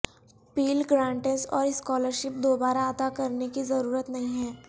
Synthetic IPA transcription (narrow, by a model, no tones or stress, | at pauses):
piːlɡɾãːɳʈezɔːɾɪskɔːləɾʃɪp̚d̪oːbaːɾaɐt̪akɐɾnekizɐɾuːɾət̪nɐɦĩɦɛ̃ː